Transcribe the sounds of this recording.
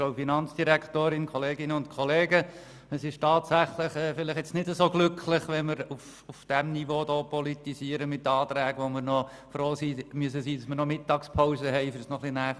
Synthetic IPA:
ofinɑnt͡sd̥iɾæktoːɾɪnkʰɔleːɡɪnəʊntkʰɔleːɡə | əsɪʃtɑːtsæχləχɛfɪlɪχjɛt͡snɪdəzoːɡlʏkʰlɪχʋɛməɾuf | ufd̥ɛmnivoːdoːpɔlitiziəɾəmɪtːɑːt̪ɾæːɡʋɔməɾnɔ | fɾoːsiːmyəs̬əsiːd̥ɑsməɾnɔmɪtɑkspʰɔʊzəɦɛɪfəɾsnɔχlinæːχ

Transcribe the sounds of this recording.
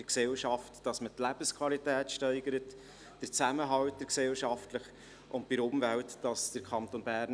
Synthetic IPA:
əksɛlʃɑftːɑsmətlæb̥əskʰvɑlitɛːtʃtœɪɡəɾət | d̥əɾt͡sæməɦɑwt̚d̥əɾksɛlʃɑftləχ | ʔʊntpɪɾʊmvæltːɑsd̥əɾkʰχɑnt̪onbæɾn

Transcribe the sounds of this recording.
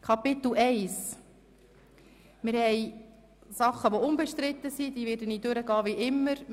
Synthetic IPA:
kʰɑpɪt̪l̩ɛɪs | mɪɾhɛj | sɑχːəʋoʊmbɛʃtɾɪt̪ːəsid̪iːʋeːɾdənid̥øɾəɡɑːʋiʔɪmːəɾ

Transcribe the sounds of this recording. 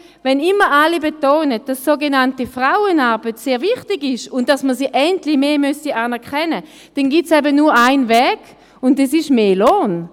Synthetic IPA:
vɛnɪmːəʔalibetoːnəd̥assoːɡenantifʁaʊənaɐbətseːɐviχtiɡɪʃʊntd̥asməsiːʔɛntlimeːmystiʔaːnɛɐʁkɛnə | d̥ɛnɡitsɛbənuːɐaɪnvɛːɡ̥ | ʊndɛsiʃmeːloːn

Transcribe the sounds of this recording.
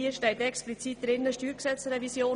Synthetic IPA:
iːəʃtɛɪtɛksplit͡siːt̚d̥ɾɪnːəʃtyːɾksɛt͡srɛvisjoː

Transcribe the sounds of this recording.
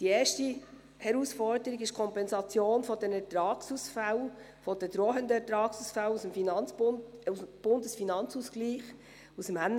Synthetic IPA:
d̥ieːɾʃti | hɛɾusfɔɾdəɾiɡɪʃkʰɔmpɛnsɑt͡sjoːnfɔd̥ɛnɛɾtɾɑːksusfal | fɔd̥əd̥̪ɾoːɦəndəɛtɾɑːksusfalusəmfinɑnub̥ʊndəsfinɑnt͡susɡliːχ | usəmænː

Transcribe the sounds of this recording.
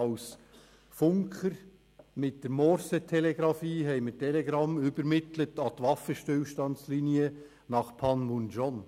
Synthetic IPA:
ɑʊs | fʊŋkχəɾ | mɪt̚d̥əɾmɔɾsətʰɛlɛɡɾɑfiːɦɛɪmətʰɛlɛɡɾɑmʏbəɾmɪtlətɑtʋɑfəʃtʏlʃtɑnsliːniə | nɑχpʰɑnmunʒɔn

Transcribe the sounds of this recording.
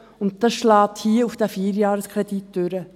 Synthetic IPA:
ʊntdɑsʃlɑːthiːəufd̥æfiːəɾjɑːɾəskʰɾɛditd̥øɾə

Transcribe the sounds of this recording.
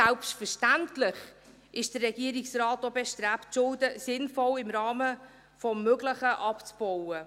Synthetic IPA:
sælpstfəʃtæntlɪχ | ɪʃd̥ərːɛɡiəɾɪksrɑːtobɛʃtɾæptʃʊldəsɪnfɔlɪmɾɑːmə | fɔmːøɡləχəʔɑpt͡sb̥ɔwə

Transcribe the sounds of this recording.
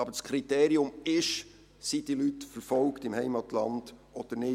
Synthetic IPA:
ɑbəskʰɾit̪eːɾiʊmɪʃ | sid̥ilytfəɾfɔlktɪmhɛɪmɑt̪lɑnd̥ʔɔd̥ənɪ

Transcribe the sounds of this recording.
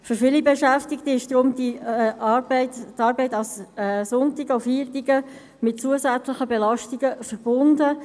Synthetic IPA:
fʏɾfɪlibɛʃæftɪkt̪əɪʃd̥ʁʊmd̪iʔɑbɪtt̪ɑːɾbɛɪtɑlsɛsʊnt̪ɪɡəofhiːɾtiɡə | mɪt̚t͡suəsæt͡slɪχəbɛlɑʃtiɡəfəɾb̥ʊndə

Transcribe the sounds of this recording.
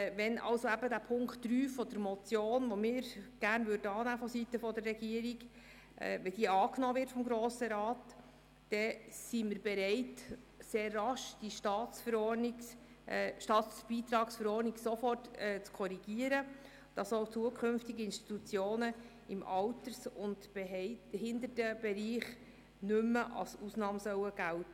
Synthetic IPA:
ʋɛnʔɑ̰lsoæbədæpʰʊŋktːɾyːfɔd̪̥əɾmɔt͡sjoːnʋomɪːɾɡ̥ærnʋʏɾdəɑːnæːfɔsitːəfɔd̪ərːɛɡiəɾiɡ | ʔɛ̰ʋɛd̥iːəɑːknɔːʋɪrtfɔmɡɾoːsəɾɑːtː | ɛsiməɾbɛɾɛɪt | seːrːɑʃd̥iʃtɑːtt͡sfəɾɔːrnɪ | ʃtɑːtb̥iːt̪ɾɑːksfəɾɔːrniksofɔrtɛt͡skʰɔɾiɡ̥iəɾə | d̥ɑsowt͡suəkʰχʏnftɪɡiɪnʃti̥t̪ut͡sjoːnə | ɪmʔɑwtəɾsʊnt | hɪnd̪ərtəb̥ɛɾiːχ | nʏmːəʔɑ̰lsuːsnɑːmsœwəɡ̥æltə

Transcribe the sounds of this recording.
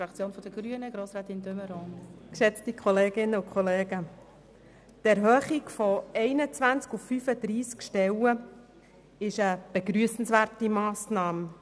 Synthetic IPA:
ɑkt͡sjoːnfɔd̥əɡɾyənəɡɾoːsɾɑːt̪ɪndøməɾɔnkʃɛt͡stikʰɔleːɡɪnːəʊkʰχɔleːɡə | tɛɾɦœːχiɡfɔɛɪnət͡sʋænt͡skufːyfədɾiːskʃtɛwə | ɪʃəb̥eɡɾyːəsn̩svæːrtimɑːsnɑːm

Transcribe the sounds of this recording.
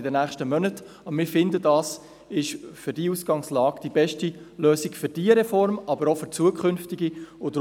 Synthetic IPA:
ɪdənæːχʃtəmœnət | ɑmɪɾfɪndədɑːs | ɪʃfʏɾdiusɡ̥ɑŋslɑːɡ̥d̥ibɛʃtiløːsikfʏɾd̥iəɾɛfɔɾmɑbəɾɔfʏɾt͡suəkʰχʏnft̪iɡiʊd

